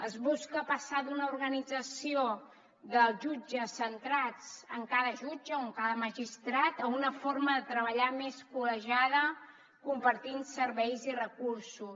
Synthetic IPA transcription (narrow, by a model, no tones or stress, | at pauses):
əzβuskəpəsaðunəuɾɣənid͡zəsio | ðəlˠʒud͡ʒəsːənt̪ɾat͡səŋkaðəʒud͡ʒəoŋkaðəməʒist̪ɾat̪əunəforməðət̪ɾəβəʎameskuləʒaðə | kumpəɾt̪insəɾβɛjzirəkuɾsus